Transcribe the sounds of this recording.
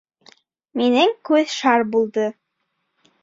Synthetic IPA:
minɘŋkʉðʃɑɾbulˠd̪ɤ

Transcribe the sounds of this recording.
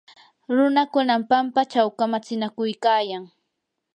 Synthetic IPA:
ɾʊnakʊnampampat͡ʃawkamat͡sɪnakʊjkaːjaŋ

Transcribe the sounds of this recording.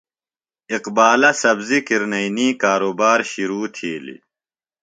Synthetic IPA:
iqbaːlɐsɐbzikiɾnɐiniːkaːɾoːbaːɾɕiɾuːt̪ʰiːlḭ

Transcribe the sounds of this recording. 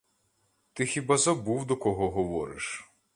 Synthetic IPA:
t̪ɪxʲibazɐbuwd̪ɔkɔɦɔɦɔʋɔɾɪ̰ʃ

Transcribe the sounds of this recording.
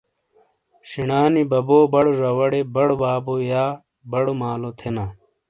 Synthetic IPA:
ɕiɳaːnibɐboːbɐɽozɐwɐɽebɐɽobaːbojaː | bɐɽomaːlot̪ʰena

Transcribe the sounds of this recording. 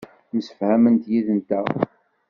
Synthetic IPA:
məsə̥fhæmənt̪jiðənt̪æ

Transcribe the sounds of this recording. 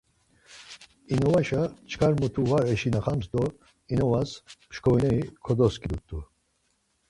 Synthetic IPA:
inɔvaʃat͡ʃʰkʰaɾmut̪ʰuvaɾɛʃinaχamsd̪ɔ | inɔvaspʃkʰɔiɛikʰɔd̪ɔskʰʼid̪ut̪ʼːu

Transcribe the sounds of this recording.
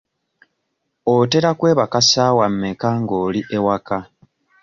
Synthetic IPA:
ote̞ɾakwe̞ːβakasaːwamːekaŋɡoːliʔe̞waka

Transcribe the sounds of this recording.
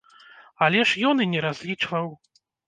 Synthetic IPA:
alʲɛʂjɔnɨnʲɛɾazʲlʲit͡ʂvɐw

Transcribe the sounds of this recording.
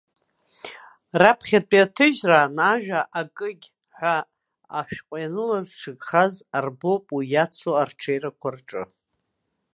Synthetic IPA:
rapʰχʲat͡pʼiatʰɨʒraːnaʒᶣaʔakʼɨɡʲ | ħʷa | a̰ʃᶣqʷʼajanɨlazʂɨɡχazarbopʼwujat͡sʰoarʈ͡ʂʰejɾakʷʰarʈ͡ʂʼɨ̰

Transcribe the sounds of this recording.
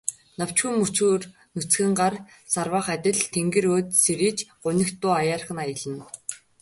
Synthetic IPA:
naw̥t͡ɕxumɵt͡ɕuːr | nut͡sɡɘ̆ŋɢar | sarwaːχat̪ʲɪ̆ɮt̪ʰeŋɡĕɾoːt̪seɾiːt͡ɕɢʊnʲɪ̆kt̪ːʊːajaːrχə̆najə̆ɮə̆n

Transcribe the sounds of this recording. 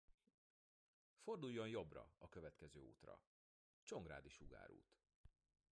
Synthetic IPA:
fo̞rd̪ujːo̞njo̞brɒ̰ɒkø̞vɛt̪kɛzøːo̰ːt̪rɒ̰ | t͡ʃo̞ŋɡraːd̪iʃuɡa̰ːɾṵːt̪

